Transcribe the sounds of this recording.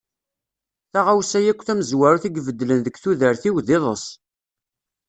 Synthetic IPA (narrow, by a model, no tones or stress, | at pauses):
θaʁawsæjækʷːθæməzwæɾuθiɡvəd̪ːlənðəɡθuðəɾθiwðɪðˤəs